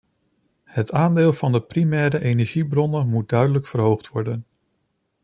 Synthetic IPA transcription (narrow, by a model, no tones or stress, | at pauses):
hətaːndɪːlˠvɑndəprimɛːɾəʔejnɛɹʒibrɔnəmut̚dœɥdələkfəɹɦowχtʋɔɹdən